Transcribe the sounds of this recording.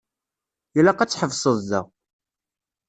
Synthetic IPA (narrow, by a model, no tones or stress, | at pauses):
julːæqæt͡sːħəvsˤəðˤːæʁ